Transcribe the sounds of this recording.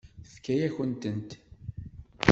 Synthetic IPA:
θkːæjæçənt̪ənt̪

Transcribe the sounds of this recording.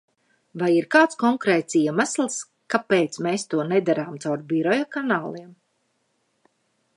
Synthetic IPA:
vajiɾkaːt̪skɔŋkɾɛːt̪siɛmaslˠs | kapeːt̪smeːst̪uɔnɛd̪aɾaːmt̪sawɾbiɾɔjɔkanaːlˠiɛm

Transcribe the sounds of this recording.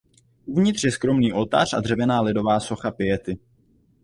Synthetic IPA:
ʔuvɲɪt̪r̥jɛskɾo̞mniːʔo̞lt̪a̰ːr̝ʔadr̝ɛvɛnaːlɪdo̞vaːso̞xapɪjɛt̪ɪ

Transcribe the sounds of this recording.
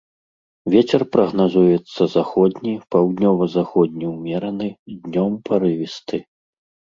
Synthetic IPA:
vʲɛt͡sʲɛrpɾɐɣnazujɛt̪sːɐzaxɔd̪ʲnʲipawd̪nʲɔvɐzaxɔd̪̚ʲnʲiwmʲɛɾɐnɨd̪ʲnʲɔmpaɾɨvʲist̪ɨ

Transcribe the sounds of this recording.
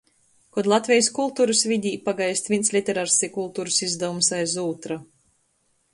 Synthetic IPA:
kɔd̪lˠat̪vʲɛjskulˠt̪uːɾusvʲid̪ʲiːpaɡajsʲt̪vʲinslʲit̪ʲɛɾaɾsʲikulˠt̪uːɾusizd̪avumsajzuːt̪ɾa

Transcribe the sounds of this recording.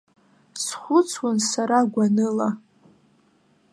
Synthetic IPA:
sχʷʊt͡sʰwansaɾaɡʷanɨla

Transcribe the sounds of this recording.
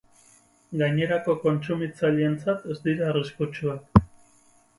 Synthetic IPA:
ɡaɲe̞ɾako̞ko̞nt͡sumit͡saʎient͡sat̪e̞zd̪iɾaeriskut͡ʃuak

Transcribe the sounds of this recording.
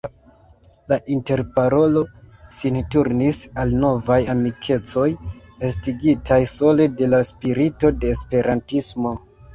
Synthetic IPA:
laʔinte̞ɾpaɾo̞lo̞sintuɾnisalno̞vajamikʰe̞t͡so̞j | estiɡitajso̞le̞de̞laspiɾito̞de̞ːspe̞ɾantismo̞

